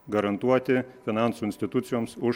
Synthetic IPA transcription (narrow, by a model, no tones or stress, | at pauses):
ɡɐɾɐnt̪uɔt̪ʲɪfʲɪnɑˑnsuːɪnʲsʲt̪ʲɪt̪ʊt̪sʲɪjoːmsʊ